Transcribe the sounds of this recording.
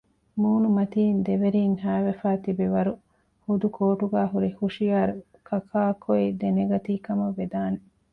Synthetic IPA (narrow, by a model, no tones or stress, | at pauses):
muːnumɐt̪iːnd̪eʋeɾiːŋhæːʋefaːt̪ibiʋɐɾu | hud̪ukʰoːʈuɡaːɦuɾihuʃijaːɾu | kʰɐkʰaːkʰoid̪eneɡɐt̪iːkɐmɐʋːed̪aːne